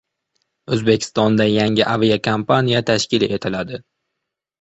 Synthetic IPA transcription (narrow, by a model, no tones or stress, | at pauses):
ɵzbe̞kʲʰɪ̥st̪ɒnd̪ajaŋɪʔaviakʰampʰanijat̪ʰaʃkʲɪle̞t̪ʰɪlad̪ɪ